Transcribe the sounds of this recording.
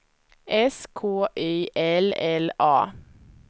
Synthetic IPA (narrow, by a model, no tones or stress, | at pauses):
ʔɛskʰoːʔœʏʔɛlɛlɑː